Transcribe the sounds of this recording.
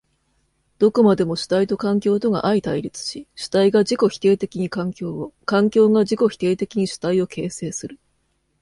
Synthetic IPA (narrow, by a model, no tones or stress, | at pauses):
d̪̥o̞ko̞mad̪e̞mo̞ɕi̥t̪ait̪o̞kãŋkʲo̞ːt̪o̞ɡa̰ʔait̪aiɾʲit͡sɨ̥ɕiɕi̥t̪aiɡaʑiko̞çʲi̥t̪e̞ːt̪e̞kʲiɲ̟ikãŋkʲo̞ːkãŋkʲo̞ːɡaʑiko̞çi̥t̪e̞ːt̪e̞kʲiɲ̟iɕi̥t̪aio̞kʰe̞ːse̞ːsɨɾɯ̟